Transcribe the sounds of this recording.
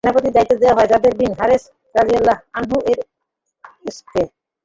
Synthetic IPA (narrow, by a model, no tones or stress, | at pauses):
napot̪id̪ait̪ːod̪eoaɦɔed͡ʑad̪eɾbinɦaɾes | ɾalialːaɦanɦuʔeɾ | ske